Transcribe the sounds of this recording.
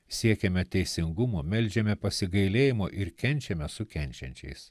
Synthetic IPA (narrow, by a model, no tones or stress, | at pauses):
sʲiɛkʲɛmʲɛt̪ʲɛɪsʲɪŋɡʊmoːmʲɛlʲd͡ʒʲɛmʲɛpɐsʲɪɡɐɪlʲeːjɪmoːʔɪɾkʲɛnʲt͡ʃʲɛmʲɛsʊkʲɛnʲt͡ʃʲɛ̰nʲt͡ʃʲɛ̰ɪs